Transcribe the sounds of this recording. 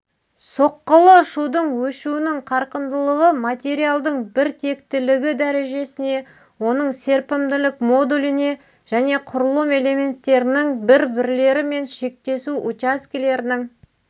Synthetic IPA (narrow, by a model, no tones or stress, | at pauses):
so̞qːəlˠəʃud̪əɴwɵʃuɪnɪŋqʰɑɾqənd̪əlˠəʁəmat̪ʲe̞ɾijalˠd̪əɴbɪɾt̪ʰe̞kt̪ɪlɪɡʲɪd̪æɾe̞ʒe̞sɪne̞ | wo̞n̪əɴse̞ɾpɪmd̪ɪlɪkmo̞d̪ulʲɪne̞ | ʒ̥æne̞qʰʊɾlˠəme̞le̞mʲe̞nt̪ːe̞ɾɪnɪŋbɪɾbɪɾle̞ɾɪme̞nʃe̞k̚t̪e̞suʔut̪askʲile̞ɾɪnɪŋ